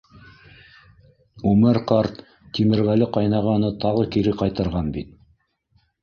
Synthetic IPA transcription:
ʉmɘɾqɑɾt̪ː | imɘ̆ɾɣælɘqɑjnɑʁɑnɤt̪ɑʁɤkiɾɘqɑjt̪ɤ̆ɾʁɑnbit̪̚

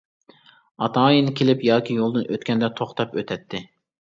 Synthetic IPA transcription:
ɑt̪ʰɑːjinkʲʰelɪpjɑːkʲijolˠd̪ɨnøt̪kʲɛnd̪ɛt̪ʰoχt̪ɑpøt̪ʰɛt̪ʰːɪ

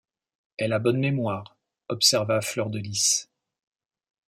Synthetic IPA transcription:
ɛlabɔnmemwaːʁ | ɔpsɛʁvaflœʁd̪əlis

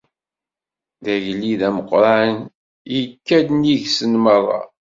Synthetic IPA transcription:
ðæʝlːiðæməqːɾˤɑən | jəkːæd̪niʝsənməðˤɑ̰

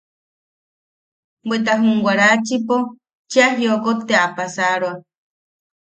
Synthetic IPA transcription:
bet̪̬aɦuŋɡʷaɾat͡ʃipo | t͡ʃiaɦjokot̪eapasaɾwa

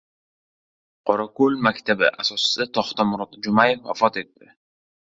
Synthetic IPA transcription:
qʰɒɾakolmakʲt̪ʰabɪʔasɒsɪ̥sat̪ʰɒχt̪ɒmʊɾɒt̪d͡ʒʊmajefa̰fɒt̪e̞t̪ːɪ

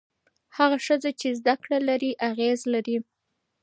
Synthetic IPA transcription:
haɣaʃəzat͡ʃezd̪akɽalaɾiʔaɣezlaɾi

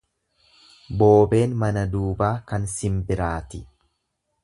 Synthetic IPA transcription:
bo̞ːbe̞ːnmɐnɐd̪uːbaːkɐnsɪmbɪɾaːt̪ɪ

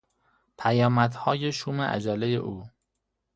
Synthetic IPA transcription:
pʰæjɒːmæd̪hɒːjeʃuːmḛʔæ̰d͡ʒælejḛʔuː

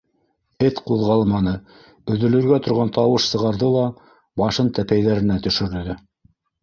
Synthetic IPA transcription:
ɘt̪quðʁɑlˠmɑnɤ | bɵ̆ðɵ̆lɵ̆ɾɡæt̪ŏɾʁɑnt̪ɑwɤʃsɤ̆ʁɑɾðɤlˠɑ | bɑʃɤnt̪æpæjðæɾɘ̆næt̪ɵ̆ʃɵ̆ɾɘ̆ðɘ

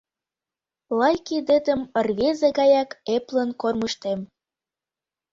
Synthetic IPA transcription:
lɑjkid̪ĕd̪ə̆mərβezeɣɑjɑkeplə̆nkorməʃt̪em

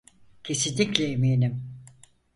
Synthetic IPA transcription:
cʰesid̪iklʲɛemiːnim

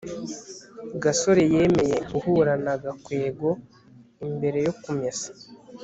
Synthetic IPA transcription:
ɡaso̞ɾeje̞ːme̞je̞uhuɾanaɡakwe̞ːɡo̞ | imbe̞ɾe̞jo̞kumɲesḁ

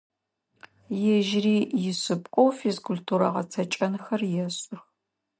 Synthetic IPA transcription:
jɛʒriːjɪɕʼɨpʼqʷʼowfezkʷʰʊltʰuːɾɐ̰ʁɐ̰t͡sʰɐt͡ʃʼɐnxɐrjɛɕʼʊx

